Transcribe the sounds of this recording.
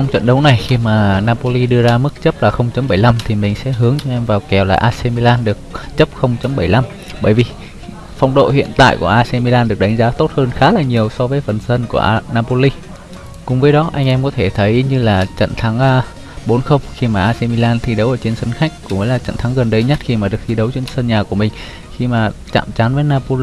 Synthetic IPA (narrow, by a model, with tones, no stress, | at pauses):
t͡ɕɔ˧wŋ͡mt͡ɕwə̰˧˨nɗə˨˦wna˨˩jxi˧maː˨˩naː˧po˧li˧ɗɨ˧əzaː˧mɨ˦˥k̚t͡ɕə˦˥p̚laː˨˩xə˧wŋ͡mt͡ɕə˨˦mɓə˧˩jla˧mt̪ʰi˨˩mï˨˩ŋ̟sɛ̰˧˥ɦɨ˨˦əŋt͡ɕɔ˧ʔɛ˧mvaː˨˩wkɛ˨˩wlaː˨˩ʔaː˧se˧mi˧laː˧nɗɨ˨˩ək̚t͡ɕə˦˥p̚xə˧wŋ͡mt͡ɕə˨˦mɓə˧˩jla˧m | ɓəː˧˩jvi˨˩ | fa˨˧wŋ͡mɗo̰˧˨hḭ˧˨ənt̪a̰ː˧˨jku˧˩əʔaː˧sɛ˧mi˧laː˧nɗɨ˨˩ək̚ɗa˨˦ŋ̟zaː˨˦t̪o˦˥t̚həː˧nxaː˨˦laː˨˩ɲi˨˩əwsɔ˧vəː˨˦jfə˨˩nsə˧nku˧˩əʔnaː˧po˧li˧ | kʊ˨˩ŋ͡mvəː˨˦jɗɔ˨˦ʔa˧jŋ̟ʔɛ˧mkɔ˨˦t̪ʰe˧˩t̪ʰə˨˦jɲɨ˧laː˨˩t͡ɕə̰˧˨nt̪ʰa˨˦ŋ˧ | ɓo˨˦nxə˧wŋ͡mxi˧maː˨˩ʔaː˧se˧mi˧laː˧nt̪ʰi˧ɗə˨˦wʔəː˧˩t͡ɕe˧nsə˧nxa˦˥k̚kːʊ̰˧ŋ͡mvəː˨˦laː˨˩t͡ɕə̰˧˨nt̪ʰa˨˦ŋɣə˨˩nɗə˧jɲə˦˥t̚xi˧maː˨˩ɗɨ˨˩əkt̪ʰi˧ɗə˨˦wt͡ɕe˧nsə˧nɲaː˨˩ku˧˩əmï˨˩ŋ̟ | xi˧maː˨˩t͡ɕa̰ː˧˨mt͡ɕa˨˦nvəː˨˦jnaː˧po˧